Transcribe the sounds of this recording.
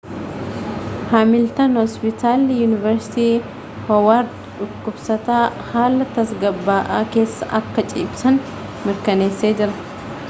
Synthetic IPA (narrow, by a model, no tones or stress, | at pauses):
haːmɪlt̪ɐnhɔspɪt̪ʰaːljunɪvɐɾsɪ̥t̪iː | hɐwaːɾ | ᶑʊkːʊbsɐt̪aːhaːlːɐt̪ɐsɡɐbːaːʔa̰ːke̞ːsːɐ̰ʔɐkːɐt͡ʃʼḭːbsɐn | mɪɾkɐne̞ːsːe̞ːd͡ʒɪɾɐ